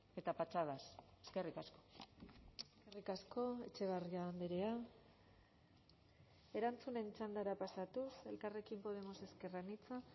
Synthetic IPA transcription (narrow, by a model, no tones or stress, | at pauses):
e̞t̪apat͡ʃaðaseske̞rikasko̞̥ | eskerikasko̞e̞t͡ʃe̞β̞ariand̪eɾea | e̞ɾant͡sune̞nt͡ʃand̪aɾapasat̪use̞lkare̞kimpo̞ð̞e̞mo̞se̞ske̞ranit͡sa